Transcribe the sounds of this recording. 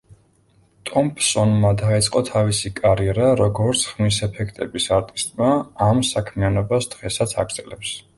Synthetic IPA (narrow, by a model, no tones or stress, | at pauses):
t̪ʼɔmpʼsɔnmad̪ait̪sʼqʼɔt̪ʰavisikʼaɾiɛɾaɾɔɡɔɾt̪sʰχmisɛpʰɛkʰt̪ʼɛbisaɾt̪ʼist̪ʼmaːmsakʰmianɔbasd̪̥ʁɛsat̪sʰa̰ɡɾd̪z̥ʰʼɛlɛps